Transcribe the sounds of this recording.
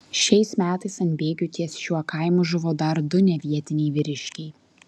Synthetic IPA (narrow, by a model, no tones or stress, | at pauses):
ʃʲɛɪsmʲæːt̪ɐɪsɐnʲbʲeːɡʲʊt̪ʲiɛsʃʲuɔkɐˑɪmʊʒʊʋoːd̪ɐɾd̪ʊnʲɛʋʲiɛt̪ʲɪnʲɛɪʋʲɪɾʲɪʃʲkʲɛɪ